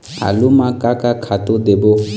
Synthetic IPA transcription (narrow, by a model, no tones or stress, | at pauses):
a̰lumãkakakʰat̪ud̪ebo